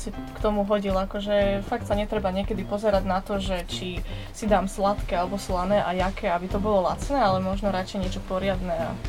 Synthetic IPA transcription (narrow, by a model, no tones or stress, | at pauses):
sikt̪ɔmuɦɔɟilakɔʒɛfak̚t̪saɲɛt̪ɾɛbaɲɪɛkɛd̪ipɔzɛɾaɟnat̪ɔʒɛt͡ʃi | sid̪aːmslat̪kɛalɛbɔslanɛːʔajakɛabit̪ɔbɔlɔla̰t͡snɛːalɛmɔʒnɔɾat͡ʃɛjɲɪɛt͡ʃɔpɔɾɪad̪nɛa̰